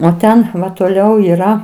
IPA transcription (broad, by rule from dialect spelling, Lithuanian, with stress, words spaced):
oː ˈtʲɛn toːˈlʲɛʊ iːˈrɐ